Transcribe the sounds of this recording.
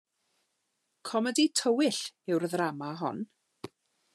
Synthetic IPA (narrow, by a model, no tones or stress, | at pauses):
kʰɔməditʰəwɪɬɪwrðramaɦɔ̰n